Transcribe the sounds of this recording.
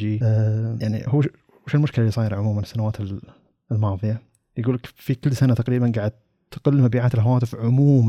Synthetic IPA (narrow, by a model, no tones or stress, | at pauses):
ijaʕnḭhuː | huʃɪlmʊʃkɪlaljsˤɑːjɾʕʊmuːmɪnɪsːanawaːt̪ɪl | lmɑːðˤɨja | jɡuːlakfikɪlːsanat̪aqɾiːbanɡaʕad̪̚ | t̪qʊlːmabiːʕaːt̪ɪlɦawaːt̪ɪfʕʊmuːm